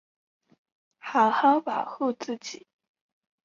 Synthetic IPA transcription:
xa˨˩˦xa˥pa˨˩xu˥˧t͡sɹ̩˥˩t͡ɕi˨˦

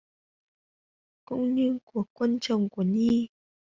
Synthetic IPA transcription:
kʊ̰˧˥wŋ͡mɲɨ˧ŋku˧˩əkːwə˧nt͡ʃə˨wŋ͡mku˧˩əɲi˧˦

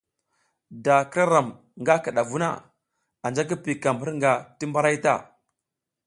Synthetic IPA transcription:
da˨kɾa˦ɾa˨m | ŋɡa˦ka˨ɗa˨vu˦na̰˦ | a˨nd͡ʒa˦k̬i˦pi˨ka˨mbə˦ɾŋɡa˨ti˦mba˦ɾa˦jta̰˦˨

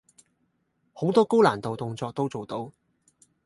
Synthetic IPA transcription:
ho˨˥wt̪ɔː˥ko˥wlaː˨˩nt̪o˨wt̪ʊ˧ŋt͡sɔː˧k̚t̪o˥wt͡so˨˩wt̪o˨˧˥w

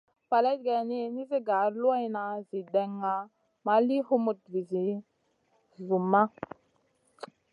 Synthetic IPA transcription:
pa˨la˦t̚ɡa˨ni˦ni˦zi˦ɡa˨˦ɾlu˦a˦jna˨zi˨dɛ˨ŋːa˨ | ma˦li˦hu˦mu˨t̚vi˨zi˨ | zu˨mːa˦

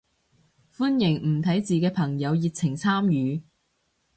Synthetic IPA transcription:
fu˥njɪ˨˩ŋm̩˨˩t̪ʰɐ˨˥jt͡siː˨kɛː˧pʰɐ˨˩ŋjɐ˨˧wji˨˧t̚t͡sʰɪ˨˩ŋt͡sʰaː˥mjyː˨˧

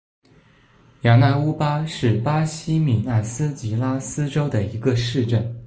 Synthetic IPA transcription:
ja˨˩na˥˩u˥pa˥ʂɻ̩˥˩pa˥ɕi˥mi˨˩na˥˩sɹ̩˥t͡ɕi˧˥la˥sɹ̩˥ʈ͡ʂo˥ʊd̪ə˨˩i˧˥ɡə˧ʂɻ̩˥˧ʈ͡ʂə˥˩n

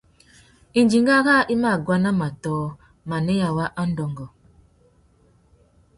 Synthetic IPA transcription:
i˨nd͡ʒi˨ŋ˦ɡa˦ɣa˦ʔi˦ma˦˨ɡwa˦na˦ma˨tɔː˨˦ | ma˨ne˦ja˨wa˦ʔa˦n̩˦dɔ˨ŋɡɔ˨

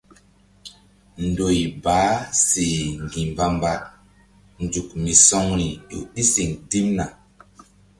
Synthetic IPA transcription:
n̩˨do˨ji˨baː˨˦si˨ŋ˨ɡi˨m˨ba˦mba˦t̚ | n˨d͡ʒu˨k̚mi˨sɔ˦ŋɾi˨ɗṵ˨ɗi˦si˨ŋdi˦mna˨

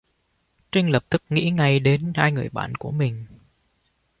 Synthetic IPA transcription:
t͡ɕe˧ŋlə˨˩p̚t̪ʰɨ˦˥k̚ŋḭ˧˥ŋa˧jɗe˨˦nhaː˧jŋɨ˨˩əjɓa̰ː˧˨nku˧˩əmï˨˩ŋ̟

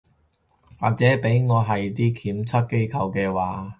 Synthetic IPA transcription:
wa̰ː˨k̚t͡sɛː˨˥pe˨˥jŋɔː˨˧ɦɐ˨jt̪̬iː˥kʰiː˨˥mt͡sʰɐ˥t̚ke˥jkʰɐ˧wkɛː˧waː˨˥

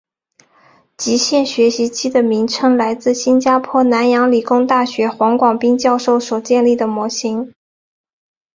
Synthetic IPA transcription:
t͡ɕi˧˥ɕjɛ˥˩nɕɥɛ˧˥ɕi˧˥t͡ɕʰi˥d̪ə˨mi˧˥ŋʈ͡ʂʰɤ˥ŋla˧˥ɪt͡sɹ̩˥˩ɕi˥nt͡ɕja˥pʰwɔ˥˩na˧˥njɑ˧˥ŋli˨˩kʊ˥ŋt̪a˥˩ɕɥɛ˧˥xwɑ˧˥ŋkwɑ˨˩ŋpi˥ŋt͡ɕjɑ˥˧ʊʂo˥˩ʊswɔ˨˩t͡ɕjɛ˥˧nli˥˩d̪ə˩mwɔ˧˥ɕi˧˥ŋ

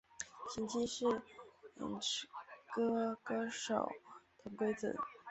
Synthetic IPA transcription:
t͡ɕʰi˧˥nt͡ɕʰi˥ʂɻ̩˥˩ḭ˨˧˩nʈ͡ʂkɤ˥kɤ˥ʂo̰˨˩ʊt̪ʰʊ˧˥ŋkwe˥ɪt͡sɹ̩̰˨˩˦

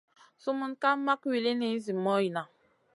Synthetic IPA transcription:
su˦mu˦nka˦ma˦kwi˨le˦ne˨˦zi˨mɔ˦ji˨na˨

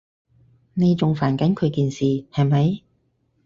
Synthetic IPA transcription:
ne˨˧jt͡sʊ˨ŋfaː˨˩nkɐ˨˥nkʰɵ˨˧ɥkiː˨˧nsiː˨hɐ˨jmɐ˨˥j

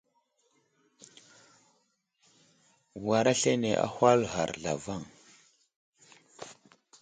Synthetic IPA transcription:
wa˨ɾa˦ɬe˦ne˨ʔa̰˦hwa˦lɦa̰˨ɾɮa̰˨va˦˨ŋ

